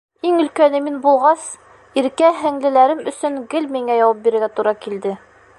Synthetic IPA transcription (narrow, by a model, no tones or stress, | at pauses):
iŋɵ̆lkænɘminbulˠʁɑs | iɾkæɦæŋlɘ̆læɾɘmɵ̆sɵŋɡɘlmiŋæjɒwɑp̚biɾɘ̆ɾɡæt̪uɾɑkild̪ɘ